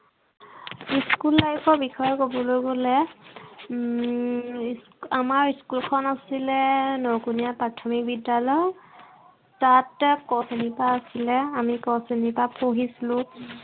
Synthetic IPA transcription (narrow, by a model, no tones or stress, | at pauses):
iskulːajkʰɔɹbixɔjɔkobɔlojɡolɛ | s | amaɹiskulkʰɔnasilɛnɔwkunijapɹatʰɔmik̚bidalɔj | tatkɔsenipaːsilɛamikɔsenipapoɦisilʊ̃